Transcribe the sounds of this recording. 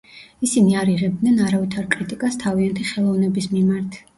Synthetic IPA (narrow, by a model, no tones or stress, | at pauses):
isiniaɾiʁɛb̚d̪nɛnaɾavit̪ʰaɾkʼɾit̪ʼikʼast̪ʰaviant̪ʰiχɛlˠɔvnɛbismimaɾt̪ʰ